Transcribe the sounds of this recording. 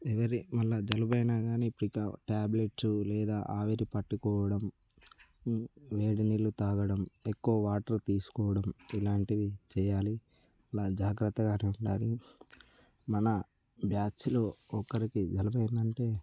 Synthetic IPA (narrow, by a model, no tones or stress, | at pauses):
ɛʋɐɾimɐlːɐd͡ʒɐlubɐjnaːɡaːniːpːuɽikːɐʈaːbleʈsulɛːd̪aːʔaːʋeɾipɐʈːukɔːʋɐɽɐm | ʋeːɽinilːut̪aːɡɐɽɐmekːuʋɐʋaːʈɐɾt̪iːsu̥kɔːʋɐɽɐmilaːɳʈiʋit͡ʃɛːjaːli | ɐlaːd͡ʒaːɡɾɐt̪ːɐɡaːneːuɳʈaːɾi | mɐnɐ | bʱjaːt͡ʃloːɔkːɐɾikid͡ʒɐlubɐjnɐɳʈe̞ː